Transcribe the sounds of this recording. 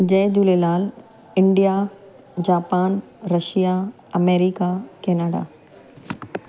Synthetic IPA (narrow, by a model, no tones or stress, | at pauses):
d͡ʑɛːd̪uːlelaːl | ɪɳɖija | d͡ʑaːpaːn | ɾɐʃija | ɐmeːɾikakɛːnaːɖa̰ː